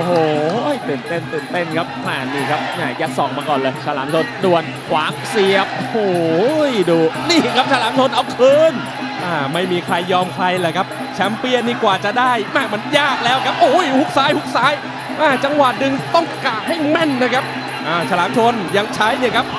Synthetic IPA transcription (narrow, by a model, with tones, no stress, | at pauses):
ʔo˧hoː˨˩jt̪ɯː˨˩nt̪e˥˩nt̪ɯː˨˩nt̪e˥˩nkʰa˦˥p̚ʔa˧˩niː˧˩kʰa˦˥p̚ʔaː˧˩ja˦˥t̪̚sɔː˨˩ŋmaː˧kɔː˨˩nlɤː˧jsʰa˧la̰ː˩˦mtʰo˧ndu˨˩ən | kʰwaː˨˦ŋsi˨˩əp̚hoː˨˩jduː˨˧niː˥˩kʰa˦˥p̚sʰa˧laː˨˩˦mt͡ɕʰo˧nʔa˧˩wkʰɤː˧n | ʔaː˧˩ma˥˩jmiː˧kʰɾa˧jːɔː˧mkʰɾa˧jlɛː˨˩kʰa˦˥p̚ | t͡ɕʰɛ˦˥mpi˧˩əniː˧˩kwaː˨˩t͡ɕa˨˩daː˥˩jʔaː˧˩ma˧njaː˥˩k̚lɛː˦˥wkʰa˦˥p̚ʔo˧˥˩jhu˦˥k̚saː˨˦˥jhu˦˥k̚saː˦˥j | ʔaː˧˩t͡ɕa˧ŋwa˨˩t̪̚dɯ˧ŋt̪ɔ˥˩ŋkaː˨˩p̚ha˥˩jmɛ˥˩nːa˦˥˩kʰa˦˥p̚ | ʔaː˧˩sʰa˧laː˩˦mt͡ɕʰo˧nja˧ŋt͡ɕʰa˦˥jni˧˩˨kʰa˦˥p̚